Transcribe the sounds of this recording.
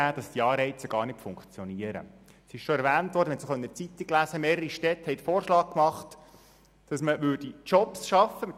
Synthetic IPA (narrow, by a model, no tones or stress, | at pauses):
æːd̥ɑsd̥iɑːɾɛɪt͡səɡ̥ɑːɾrnɪtfʊŋkt͡sjɔniəɾə̰ | sɪʃʃoɛɾʋæːntʋɔːɾdəhɛt̪sχœnət͡sit̪ːiklæsəmeːɾəɾiʃtɛthɛɪt̪foːɾʃlɑːk̚kmɑχt | d̥ɑsməʋʏːrd̥it͡ʃɔpsʃɑfəmɪ